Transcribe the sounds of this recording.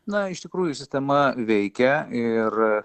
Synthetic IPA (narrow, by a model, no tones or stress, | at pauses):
nɐɪʃt̪ʲɪkɾuːjʊsʲɪsʲt̪ʲɛmɐʋʲɛɪkʲɛɪr